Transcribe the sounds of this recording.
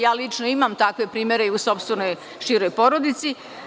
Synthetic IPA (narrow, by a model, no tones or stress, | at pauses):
jaːlit͡ʃnoimamt̪akʋe̞pɾiːmje̞ɾe̞iuso̞pst̪ʋe̞no̞j | ʃiɾo̞jpo̞ɾo̞d̪it̪si